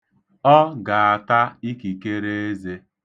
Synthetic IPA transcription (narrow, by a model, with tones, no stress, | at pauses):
ɔ˦ɡa˨a˨ta˦i˦ki˨ke˦ɾe˦e˦ze˦